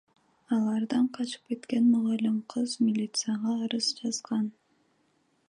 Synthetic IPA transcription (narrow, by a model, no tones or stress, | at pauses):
ɑlˠɑɾd̪ɑɴqʰɑt͡ʃɯ̥pke̞t̪kenmʊʁɑlʲimqʰɯzmʲɪlʲit̪sɨjɑʁɑːɾɯzd͡ʒɑzʁɑn